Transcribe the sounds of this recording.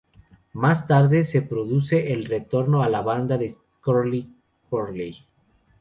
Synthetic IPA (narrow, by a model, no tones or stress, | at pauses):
mast̪aɾðe̞se̞pɾo̞ðuse̞ʔːlre̞t̪o̞ɾnoalaβand̪aðe | koli | koɾlej